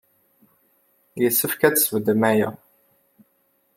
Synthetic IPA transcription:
jəsːəfkæt͡sːsəvd̪əmæjæ̰

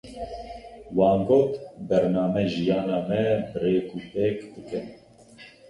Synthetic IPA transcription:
wɑːnɡoːt̪bɛɾnɑːmɛʒijɑːnɑːmɛbɨreːkuːp̪eːkd̪ɨkɨn

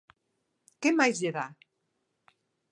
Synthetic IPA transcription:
kemajzʎeða

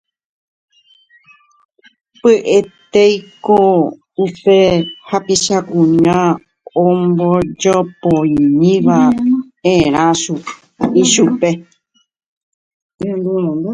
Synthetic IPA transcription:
pɨʔe̞t̪ejko | upe̞hapiʃakũɲã | õmbod͡ʒopoĩɲĩʋa | ẽɾ̃ãʃu | iʃupe̞ | end̪u

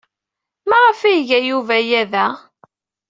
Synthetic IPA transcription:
mæʁəfæjʝæjuvæjæðæ

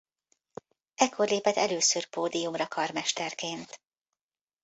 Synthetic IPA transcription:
ɛkʰːo̞rleːpɛt̪ɛløːsørpoːd̪ijumrɒkɒrmɛʃt̪ɛrkeːnt̪

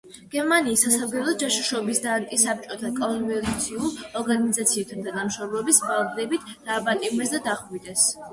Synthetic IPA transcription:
ɡ̥ɛɾmaniːsːasavɡɛlˠɔd̪̚d͡ʒaʃiʃɔbisd̪aːnt̪ʼisap̚ʰt͡ʃʼɔt̪ʰakʼɔnvɛɾt̪t̪sʰiulˠɔɾɡanizat̪sʰiɛt̪ʰant̪ʰanamʃɔɾlˠɛbisbalˠɡ̪d̪ɛbit̪ʰd̪̥aːpʼat̪ʼimɛs̬d̪ad̪aχvid̪ɛs

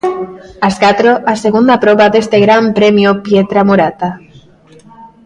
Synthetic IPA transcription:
askat̪ɾoʔaseɣ̞und̪apɾoβaðest̪eɣɾampɾemjopjet̪ɾamuɾat̪a

